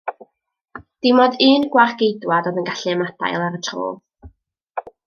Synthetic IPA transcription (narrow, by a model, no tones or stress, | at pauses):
d̥ɪmɔdɨːnɡwarɡejdwadɔðənɡaɬɨɛmada̰jlˠaɾətʰro̰ːlˠ